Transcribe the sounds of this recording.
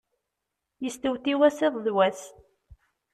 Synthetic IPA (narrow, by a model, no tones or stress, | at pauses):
jəst̪əwθiwæsɪðˤðwæs